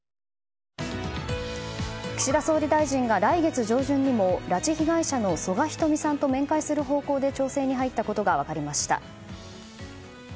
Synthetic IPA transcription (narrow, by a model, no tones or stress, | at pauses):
kɯ̥ɕiɾaso̞ːɾʲid̪aiʑĩŋɡaɾaiɡe̞t͡sɨʑo̞ːʑɨ̃ɲ̟ːimo̞ɾat͡ɕiçiɡaiɕano̞so̞ɡaçʲi̥t̪o̞mʲisãnt̪o̞mẽ̞ŋkaisɨɾɯ̟ɦo̞ːko̞ːd̪e̞t͡ɕo̞ːse̞ːɲ̟iɦait̪ːako̞t̪o̞ɡaβ̞akaɾʲimaɕi̥t̪a̰